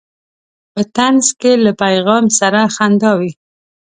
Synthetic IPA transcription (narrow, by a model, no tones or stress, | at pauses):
pət̪anzkelapajɣɑmsaɾaxand̪ɑwi